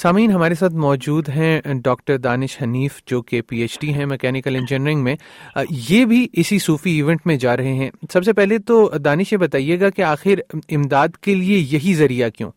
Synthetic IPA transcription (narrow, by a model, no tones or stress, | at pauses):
saːmiːnɦɐmaːɾesaːt̪ʰmɔːd͡ʒuːd̪ɦɛ̃ɖɔːk̚ʈəɾd̪aːnɪʃhɐniːfd͡ʒoːkepiːeːt͡ʃɖiɦɛ̃mɛkɛːnɪkəlɛ̃nd͡ʒɪnɾɪ̃ŋɡmẽjeːbʱiʔɪsisuːfiiːʋɛ̃ɳʈmẽd͡ʒaːɾɐɦeɦɛ̃ːsɐbsepɛɦlet̪od̪aːnɪʃjebɐt̪aːijeɡakeaːxɪɾɪmd̪aːd̪keliejɐɦizɐɾijakjõ̰ː